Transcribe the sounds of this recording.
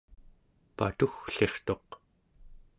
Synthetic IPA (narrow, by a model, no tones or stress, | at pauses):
pa̰t̪uxɬe̞χt̪o̞q